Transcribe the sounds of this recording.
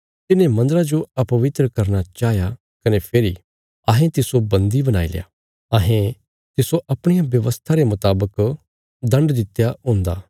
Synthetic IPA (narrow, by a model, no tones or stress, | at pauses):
t̪ɪnẽmɐ̃nd̪əɾad͡ʒoɐpɐʋɪt̪ɾəkɐɾnat͡ʃaːɦja | kɐnepʰeːɾi | ɐɦẽt̪ɪsobɐ̃nd̪ibɐna̰ːḭlḛja̰ː | ɐɦẽ | t̪ɪsoʔɐpɽ̃ɪjabjɐʋəst̪ʰaɾemʊt̪aːbək | d̪ɐ̃ɳɖd̪ɪt̪jaɦõːnd̪a̰ː